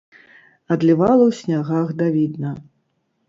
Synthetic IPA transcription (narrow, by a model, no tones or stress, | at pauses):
ɐd̪lʲivalˠɐwsʲnʲaɣaɣd̪avʲid̪nɐ